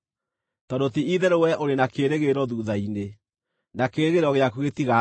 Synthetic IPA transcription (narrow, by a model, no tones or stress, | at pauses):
tɔdotiiðɛɾewɛʔoɾenakeɾeɣeɾɔðuːðaine | nakeɾeɣeɾɔɣeakuɣetiɣa